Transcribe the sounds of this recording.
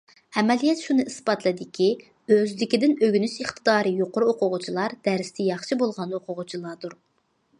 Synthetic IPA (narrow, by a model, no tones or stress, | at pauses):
ɛmɛlijɛt̪ʃunɨispɑt̪lˠɨd̪ɪkʲʰi | øzd̪ɪkʲid̪ɪnøɡʲynyʃɨχt̪ʰɨd̪ɑːɾɨjoqʊɾuoqʰʊʁʊt͡ʃʰilˠɑɾd̪̥æɾst̪ʰɛjɑχʃɨbolˠʁɑnoqʰʊʁʊt͡ʃʰilˠɑɾd̪uɾ